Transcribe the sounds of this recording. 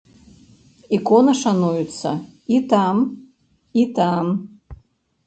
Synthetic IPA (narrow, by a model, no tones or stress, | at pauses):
ikonɐʂanujut̪sɐ̰ | it̪am | it̪am